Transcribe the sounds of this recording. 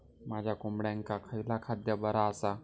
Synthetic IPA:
mad͡ʑʱjakombɽjãŋkakʰəjlakʰad̪jəbəɾaəsa

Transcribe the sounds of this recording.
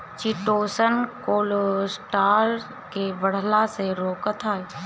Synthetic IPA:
t͡ʃɪʈoːsənkoːlosʈaːɾ | kebəɽ̤laseɾoːkət̪ʰaːe

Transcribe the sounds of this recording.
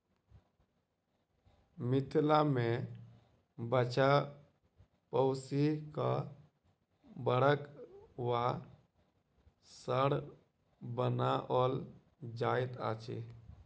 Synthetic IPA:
mit̪ʰlame | bət͡ʃa | pəʊsika | bəɽəkwa | səɽ | bənaʔɔl | d͡ʒajt̪a̰t͡ʃʰḭ

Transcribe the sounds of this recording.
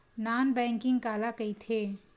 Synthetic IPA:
naːnbɛ̃ːŋkɪ̃ŋɡkaːlakɐit̪ʰeː

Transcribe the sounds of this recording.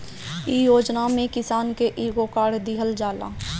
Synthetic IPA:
ijoːd͡ʒnamẽkɪsaːnkeʔiːɡokaːɽd̪iɦəld͡ʒaːla̰ː

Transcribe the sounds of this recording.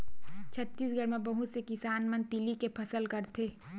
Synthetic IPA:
t͡ʃʰɐt̪ːiːsɡʱəɾmẽbɐɦut̪sekɪsaːnmənt̪ilikepʰɐsəlkɐɾt̪ʰeː

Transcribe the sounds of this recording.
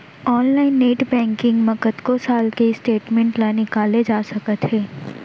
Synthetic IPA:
ɔːnlaːɪnːeːʈbɛ̃ːŋkɪ̃ŋɡmɐkət̪kosaːlkesʈeːʈmɛ̃ɳʈlanɪkaːled͡ʒaːsɐkət̪ɦɛː

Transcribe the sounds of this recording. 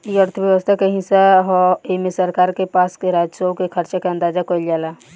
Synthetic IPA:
jəɾt̪ʰəbjəʋəst̪ʰakeɦɪ̃saɦɔemesəɾkaːɾkepaːskeɾaːd͡ʒsokekʰəɾt͡ʃakeɐ̃nd̪aːd͡ʒakoɪld͡ʒaːlaː

